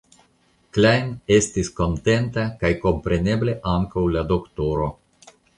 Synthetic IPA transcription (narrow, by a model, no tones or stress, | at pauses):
klajne̞stisko̞nte̞ntakajko̞mpɾe̞ne̞ble̞ʔaŋkawlado̞kto̞ɾo̞